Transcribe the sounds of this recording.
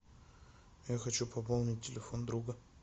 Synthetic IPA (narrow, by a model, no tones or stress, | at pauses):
jaxɐt͡ɕupʰɐpolˠnʲɪt̚ʲtʲːɪlʲɪfond̪ɾuɡə